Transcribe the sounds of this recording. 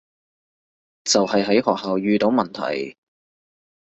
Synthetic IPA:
t͡sɐ˨whɐ˨jɦɐ˨˥jɦɔː˨k̚haː˨wjyː˧t̪o˨˥wmɐ˨nt̪ʰɐ̰˨˩j

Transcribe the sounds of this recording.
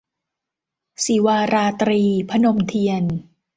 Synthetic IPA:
si˨˩˦waː˧ɾaː˧t̪ɾiː˧pʰa˧no˧mt̪ʰi˧ən

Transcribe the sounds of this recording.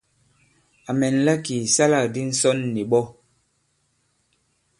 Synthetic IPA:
a˨mɛ˨nla˦ki˨sa˦la˦˨di˦n̩˦sɔ˦nːi˨ɓɔ˦

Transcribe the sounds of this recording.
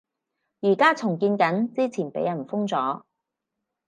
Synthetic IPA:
jiː˨˩kaː˥t͡sʰʊ˨˩ŋkiː˧nkɐ˨˥nt͡siː˥t͡sʰiː˨˩npḛ˨˥jɐ˨˩nfʊ˥ŋt͡sɔː˨˥

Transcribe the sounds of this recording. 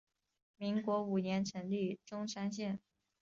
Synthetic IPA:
mi˧˥ŋkwɔ˧˥u˨˩njɛ˧˥nʈ͡ʂʰə˧˥nli˥˩ʈ͡ʂʊ˥ŋʂa˥nɕjɛ˥˩n

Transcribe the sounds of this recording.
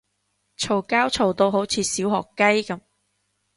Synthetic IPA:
t͡ʃʰo˨˩wkaː˥wt͡sʰo˨wt̪o˧wɦo˨˥wt͡sʰiː˨˧siː˨˥whɔː˨kːɐ˥jkɐ˨˦m

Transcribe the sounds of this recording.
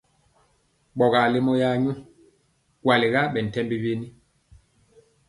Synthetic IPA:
ɓɔ˨ɣa˨le˦mɔ˦ja˦ɲu˦ | kwa˨li˨ɡa˦ɓɛ˨n̩˨tɛ˦mbi˦ve˦ni˦

